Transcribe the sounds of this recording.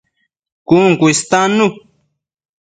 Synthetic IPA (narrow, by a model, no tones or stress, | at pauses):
kuŋkuist̪anu